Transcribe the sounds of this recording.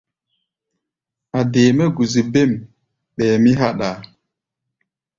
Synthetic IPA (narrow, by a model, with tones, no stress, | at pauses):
a˨deː˨mə˦ɡu˨zi˨be˦˨m | ɓɛː˨mi˦ɦa˦ɗa˨